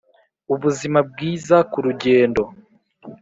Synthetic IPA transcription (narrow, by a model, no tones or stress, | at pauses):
uβuzimab̚ɡiːzakuɾuɟe̞ːndo̞